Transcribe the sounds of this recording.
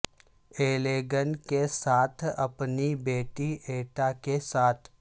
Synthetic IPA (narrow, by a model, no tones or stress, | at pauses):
eːleːɡənkesaːt̪ʰɐ̰pnibeːʈiʔeːʈakesaːt̪ʰ